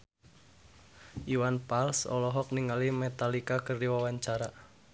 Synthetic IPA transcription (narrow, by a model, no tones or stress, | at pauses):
ʔiwanpalsɔ̰lɔɦɔk̚niŋalimɛt̪alikakərdiwawaɲt͡ʃaɾa